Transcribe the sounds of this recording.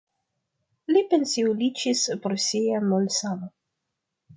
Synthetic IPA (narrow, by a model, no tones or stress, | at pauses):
lipensiulit͡ʃispɾsijamolsama